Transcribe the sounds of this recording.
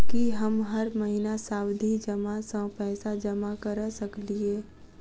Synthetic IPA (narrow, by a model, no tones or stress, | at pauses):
kiɦɐmɦɐɾmɐɦinasaːwd̪ʱid͡ʒɐmasə̃pɛːsad͡ʒɐmakɐɾəsɐklieː